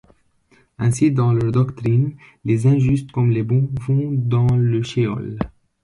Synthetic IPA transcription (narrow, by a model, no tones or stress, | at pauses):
ɛ̃sid̪ɑ̃lœʁd̪ɔkt̪χin | lezɛ̃ʒyst̪kɔmlebɔ̃vɔ̃d̪ɑ̃ləʃeɔ̰l